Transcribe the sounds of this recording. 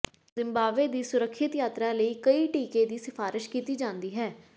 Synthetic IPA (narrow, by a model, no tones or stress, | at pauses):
zɪ̃mbaːʋeːd̪iːsʊɾəkʰʃɪt̪jaːt̪ɾaːləiːkəiːʈiːkeːd̪iːsɪpʰaːɾɪʃkiːt̪iːd͡ʒãːnd̪iːɦɛː